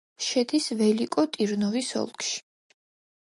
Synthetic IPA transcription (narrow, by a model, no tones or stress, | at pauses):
ʃɛd̪isvɛlikʼɔt̪ʼiɾnɔvisɔ̰lˠkʰʃi̥